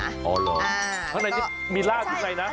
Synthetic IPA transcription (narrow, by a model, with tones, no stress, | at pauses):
ʔɔ̰ː˧lɔː˧˩ | t̪ʰa˥˩na˧jkʰi˥˩ | miː˧laː˥˩i˥˩na˧jna˦˥